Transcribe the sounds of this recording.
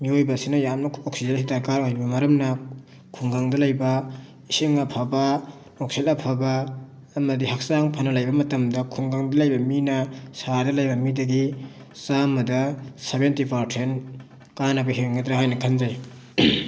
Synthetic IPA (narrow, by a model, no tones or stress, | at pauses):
miojbɐsinɐjamnɐoksizelsitakaɾojbɐmɐɾɐmnɐ | kʰuŋɡaŋdɐlɐjbɐ | isiŋŋapʰabɐ | ok̚selɐpʰɐbɐː | mɐdiɦak̚saŋpʰanɐlɐjbɐmɐtɐmdɐkʰuŋɡaŋdɐlɐjbɐminɐsadɐlɐjbɐmidɐɡi | samɐdɐsabentipaɾtʰen | kanɐbɐɦeŋɡɐdɾaɦajnɐkʰɐnzaj